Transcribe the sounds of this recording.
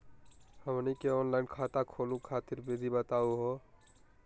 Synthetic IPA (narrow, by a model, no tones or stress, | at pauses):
həmnikeɔːnlaɪnkʰaːt̪akʰoːlũkʰaːt̪ɪɾbeːd̪ʱibət̪aːuɦoː